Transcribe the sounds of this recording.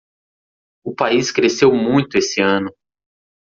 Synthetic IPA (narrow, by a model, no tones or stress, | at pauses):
ʊpaiskɾesewmũj̃t̪ʊesɪɐ̃nʊ